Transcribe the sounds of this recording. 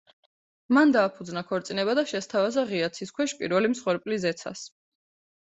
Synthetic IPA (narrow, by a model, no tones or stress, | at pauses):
mand̪aːpʰud̪znakʰɔɾt̪sʼinɛbad̪aʃɛst̪ʰavazaʁiat̪sʰiskʰwɛʃpʼiɾvɛlimsχwɛɾpʼlizɛt̪sʰa̰s